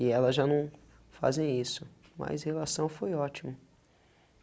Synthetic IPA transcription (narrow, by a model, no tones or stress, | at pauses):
ɪɛlɐzʒanɐ̃w̃ | fa̰zẽj̃isʊ | ma̰zhelasɐ̃w̃fojɔt͡ʃimɐ